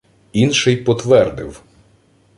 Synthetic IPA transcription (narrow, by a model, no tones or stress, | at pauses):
inʃɪjpɔt̪ʋɛrd̪ɪw